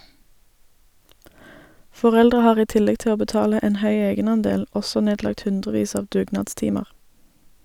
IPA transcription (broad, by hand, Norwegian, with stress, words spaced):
fɔˈʁɛldʁə ˈhɑːʁ ˈiː ˈtɪlɛɡ ˈtɪ ˈoː bəˈtɑːlə ˈeːn ˈhœʏ ˈeːɡənɑnˌdeːl ˈɔsɔ ˈneːdlɑkt ˈhʉndʁəˌʋiːs ˈɑːʋ ˈdʉːɡnɑːdˌstɪməʁ